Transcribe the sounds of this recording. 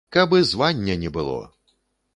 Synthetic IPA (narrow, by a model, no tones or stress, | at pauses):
kɐbɨzvanʲːɐnʲɛbɨlˠɔ̰